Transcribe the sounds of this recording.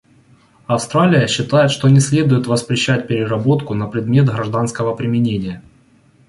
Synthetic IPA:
ɐfst̪ɾalʲɪjəɕːɪt̪ajɪt̪ʂt̪o̞nʲɪsʲlʲe̞d̪ʊjɪt̪vəspɾʲɪɕːæt̚ʲpʲɪɾʲɪɾɐbo̞t̪kʊnɐpɾʲɪd̪mʲe̞t̪ɣɾɐʐd̪anskəvəpɾʲɪmʲɪnʲenʲɪjə

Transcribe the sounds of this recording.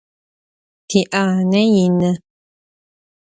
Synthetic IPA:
tiʔanɛjinə

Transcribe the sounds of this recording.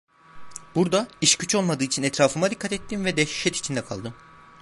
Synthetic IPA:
b̥uɾd̪aiʃcʰyt͡ʃʰo̞lˠmad̪ɯːit͡ʃʰinɛt̪ɾaːfɯmad̪ikʰːat̪ɛt̪ːinvɛd̪ɛʃi̥ʃɛt̪i̥t͡ʃʰind̪ɛkʰa̰lˠd̪ɯm

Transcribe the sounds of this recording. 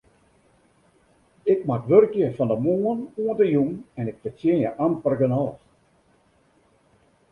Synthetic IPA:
ɪkmatʋørkjəfɔndəmuːənuəntəjuŋɛnɪk̚fət͡sjiənjəʔampərɡənɔːx

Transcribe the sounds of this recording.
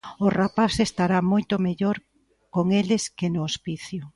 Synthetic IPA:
ʊrapasest̪aɾamojt̪ʊmeʎoɾ | koŋelɪskɪnʊospiθjʊ

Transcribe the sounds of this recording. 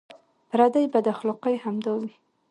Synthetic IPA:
pɾad̪ajbad̪axlɔqəjhamd̪ɑwi

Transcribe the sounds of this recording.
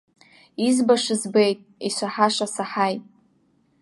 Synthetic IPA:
izbaʂɨzbe̞jtʼiʃʷaħaʂʷasaħajtʼ

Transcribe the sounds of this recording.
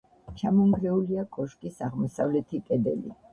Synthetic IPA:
t͡ʃʰamɔŋɡɾɛuliakʼɔʃkʼisaʁmɔsavlɛt̪ʰikʼɛd̪ɛ̰lḭ

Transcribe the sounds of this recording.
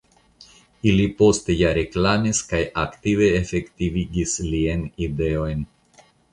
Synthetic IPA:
ilipo̞ste̞jaɾe̞klamiskajʔaktive̞ːfe̞ktiviɡislienide̞o̞jn

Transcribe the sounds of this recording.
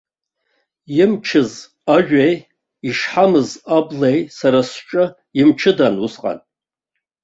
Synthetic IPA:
jɪmt͡ʃʰɨz | aʒᶣej | iʂħamɨzablejsaɾasʈ͡ʂʼɨ | imt͡ʃʰɨdanusqʼa̰n

